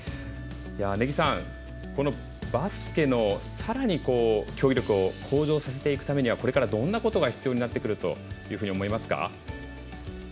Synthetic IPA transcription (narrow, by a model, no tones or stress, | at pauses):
jane̞ɡʲisãŋ | ko̞no̞ | basɨ̥kʲe̞no̞saɾaɲ̟iko̞ːkʲo̞ːɾʲo̞kɯ̟o̞kʰo̞ːʑo̞ːsas̬e̞t̪e̞ikɯ̟̥t̪ame̞ɲ̟iβako̞ɾe̞kaɾad̪õ̞nːako̞t̪o̞ɡaçi̥t͡sɨjo̞ːɲ̟inat̪ːe̞kɯ̟ɾɯ̟t̪o̞̰jɯ̟ːɸɯ̟ɲ̟iomo̞imasɨ̥ka̰